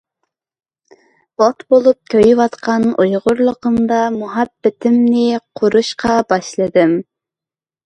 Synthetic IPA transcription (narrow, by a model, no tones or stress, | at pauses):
b̥ɑt̪bolˠup̚kʲʰøjwɑt̪qɑnujʁʊɾlˠəqəmd̪ɑmuɦæbːɪt̪ʰɪmnɪqʰʊɾuʃqɑbɑʃlˠɨd̪ɨm